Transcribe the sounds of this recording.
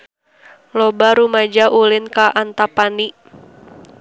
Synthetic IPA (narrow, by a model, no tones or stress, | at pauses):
lobaɾumad͡ʒaʔulɪnkaʔant̪apani